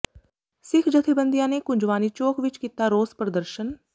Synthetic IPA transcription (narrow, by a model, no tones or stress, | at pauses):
sɪkʰd͡ʒət̪ʰebənd̪ijãːneːkʊ̃ɲd͡ʒʋaːniːt͡ʃoːkʰʋɪt͡ʃkiːt̪aːɾoːspɾəd̪əɾʃən